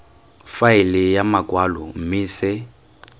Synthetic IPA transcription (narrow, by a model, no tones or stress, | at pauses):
faɪlɪjamakʼwalɔ̰m̩mɪːsɪ